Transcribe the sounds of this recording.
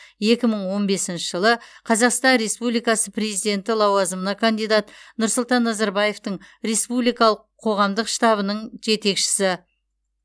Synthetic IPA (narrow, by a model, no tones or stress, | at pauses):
je̞kʲɪməɴwo̞nbe̞sɪnʃɪʒəlˠəqʰɑzɑqst̪ɑnɾe̞spublijkɑsəpre̞zijd̪e̞nt̪ɪlˠɑwɑzəmənɑkʰand̪ijd̪ɑt̪nʊɾsʊlˠt̪ɑnːɑzɑɾbɑje̞ft̪əɴɾe̞spublijkɑlˠəqʰːo̞ʁɑmd̪əqʃt̪ɑbənəɴʒe̞t̪e̞kʃɪ̥sɪ